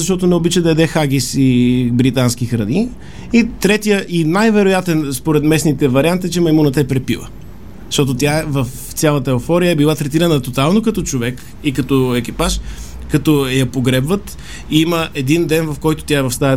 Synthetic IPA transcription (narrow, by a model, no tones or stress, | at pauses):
zɐʃt̪ɔt̪onɛobit͡ʃəd̪ɐɛd̪ɛxaɡ̟ʲisibɾit̪anskixɾɐni | it̪ɾɛt̪ijəʔinajvɛɾojat̪ɛnspoɾɛt̪mɛsnit̪ɛvɐɾiant̪it͡ʃɛmɐimunɐt̪əɛpɾɛpivˠə̰ | zʃt̪ɔt̪̬ot̪ʲjaɛvɐf | t̪sʲalˠət̪əɛofɔɾijəɛbilˠat̪ɾɛt̪iɾənət̪ot̪alˠnokɐt̪ɔt͡ʃovɛk | ikɐt̪ɔɛk̟ipaʃ | kɐt̪ɔjɐpoɡɾɛbvət̪ | iiməʔɛd̪ind̪ɛnvɐfkɔjt̪o̥t̪jaɛvɐfst̪aɛ